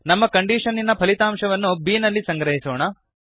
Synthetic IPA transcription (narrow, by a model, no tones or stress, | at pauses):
nɐmːɐkɐɳɖiːʂɐnːinɐpʰɐlit̪aːmʂɐʋɐnːubiːnɐlːisɐŋɡɾɐɦisoːɳɐ